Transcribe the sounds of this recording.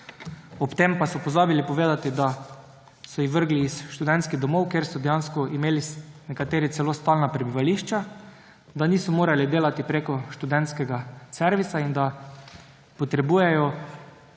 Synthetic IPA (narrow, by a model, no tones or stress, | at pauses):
ɔpt̪empasɔpɔzaːbilipɔʋeːd̪at̪id̪a | sɔjixʋəɾɡliːsʃt̪ud̪ɛnt̪skiɣd̪ɔmɔwkeːɾsɔd̪ɛjanskɔimeːlinɛkat̪eːɾitsɛlost̪aːlnapɾɛbiʋaliːʃt͡ʃa | d̪aniːsɔmoːɾalid̪eːlat̪ipɾeːkɔʃt̪ud̪ɛnt̪skɛɡaseɾʋisaind̪a | pɔt̪ɾɛbuːjɛjɔ